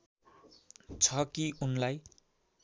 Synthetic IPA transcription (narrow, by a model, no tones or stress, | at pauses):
t͡sʰʌkiunlaj